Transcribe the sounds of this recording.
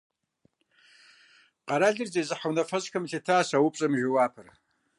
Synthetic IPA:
qɑɾaːɮɨrzezɨħawnɐfɐzkʰɐmɬɐtʰaːsawʊpʼɕʼɐmʒɪwaːpʰɨr

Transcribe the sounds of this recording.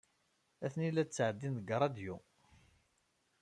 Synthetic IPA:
æθnilːæt͡sːʕəd̪ːinðəɡəɾˤɑd̪ju

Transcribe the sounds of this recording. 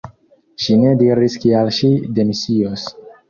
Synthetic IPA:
ʃine̞diɾiskialʃide̞misios

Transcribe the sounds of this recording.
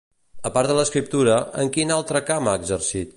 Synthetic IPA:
əpaɾt̪ələskɾip̚t̪uɾəəŋkinalˠt̪ɾəkamaəɡzərsit̪̚

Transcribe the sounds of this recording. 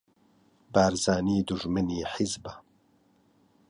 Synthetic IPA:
baːɾzaːniːd̪uʒmɨniːħɪzba

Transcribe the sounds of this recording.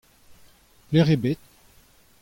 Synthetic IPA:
pleʁebet̪̚

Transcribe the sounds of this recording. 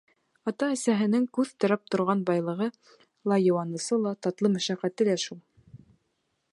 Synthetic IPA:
ɑt̪ɑːsæɦɘ̆nɘŋkʉðt̪ɤ̆ɾɑp̚t̪ŏɾʁɑnbɑjlˠɤ̆ʁɤ | lˠɑjɤ̆wɑnɤ̆sɤlˠɑt̪ɑt̪lˠɤmæ̆ʃæqːæt̪ɘ̆læʃulˠ

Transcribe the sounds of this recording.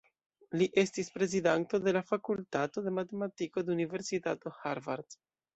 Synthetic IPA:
liʔe̞stispɾe̞zidanto̞de̞lafakultato̞de̞mate̞matiko̞deunive̞ɾsitato̞haɾvaɾd̥

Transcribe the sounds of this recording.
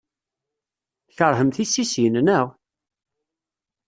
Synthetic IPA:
çəɾˤɦəmθisːisjənnəʁ

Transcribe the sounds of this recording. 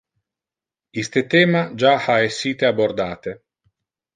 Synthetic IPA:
ist̪et̪ɛːmad͡ʒaaesːiːt̪eabord̪aːt̪e

